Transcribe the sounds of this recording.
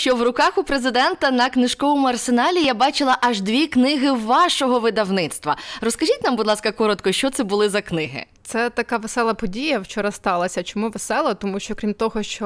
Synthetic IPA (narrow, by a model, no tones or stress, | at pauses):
t͡ʃɔwrʊkɑxʊpɾezɪd̪ɛnt̪ɐnɐknɪʃkɔʋɔmʊɐrsenɑlʲijabɑt͡ʃɪlˠɐʔɐʒd̪ʋʲiknɪɦɪʋɑʃɔɦɔʋɪd̪ɐwnɪt̪st̪ʋɐrɔskɐʒʲit̪ʲnambʊd̪lˠɑskɐkɔɾɔt̪kɔʃt͡ʃɔt̪sɛbʊlˠɪzɐknɪɦɪ̰t̪sɛt̪ɐkɑʋesɛlˠɐpɔdʲijɐwt͡ʃɔɾɑst̪ɑlˠɐsʲɐt͡ʃɔmuʋesɛlˠɐt̪ɔmuʃt͡ʃɔkɾʲimt̪ɔɦɔʃt͡ʃɔ